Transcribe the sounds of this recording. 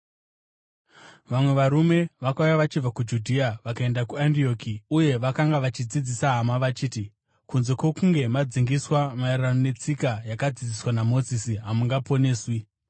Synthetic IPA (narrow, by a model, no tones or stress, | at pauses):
ʋamwe̞ʋaɾume̞ʋakaujaʋat͡ʃib͡vakud͡ʒudʱiaʋakae̞ndakuandio̞ːkiuje̞ʋakaŋɡaʋat͡ʃid͡zid͡zisaɦamaʋat͡ʃiːti | kunze̞kwo̞kuŋɡe̞mad͡ziŋɡiswamairranone̞t͡sikajakad͡zid͡ziswanamo̞zisiɦamuŋɡapo̞ne̞ːswi